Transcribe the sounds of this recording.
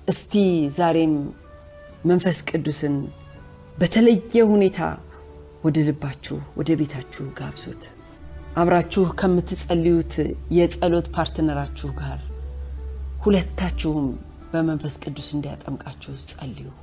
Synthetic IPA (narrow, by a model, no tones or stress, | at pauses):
ʔɨst̪ʰizaɾe̞mː | ənfəskʼɨd̪ːusɨn | bət̪ʰələjːɛhune̞t̪ʰa̰ | wɔd̪əlɨbːat͡ʃːɛ̰hwɔ̰d̪əβe̞t̪ʰat͡ʃːɪhɡaβso̰t̪ | ʔaβɾat͡ʃːɪhkʰəmːɨt̪ʰːɨsʼəlːiwut̪jɛsʼəlo̞t̪pʰaɾt̪ɨnəɾat͡ʃːɪhɡaɾ | hulət̪ʰːat͡ʃːɪhum | bəmənfəskʼɨd̪ːusɨnd̪ija̰t̪ʼəmkʼat͡ʃːɪhsʼəlːiwu